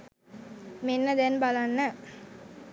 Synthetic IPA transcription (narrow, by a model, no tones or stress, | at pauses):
menːəd̪ɛnbalanːə